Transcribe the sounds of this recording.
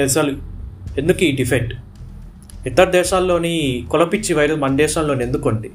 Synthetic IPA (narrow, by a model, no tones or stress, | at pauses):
eːsaːlue̞nd̪ukuiːɖipʰejk̚ʈ | it̪ːɐɾɐd̪ɛːʃaːlːo̞ːnikɔlɐpit͡ʃːiʋɐjɾɐsmɐnd̪ɛːʃaːlːo̞ːnie̞nd̪ukoɳɖi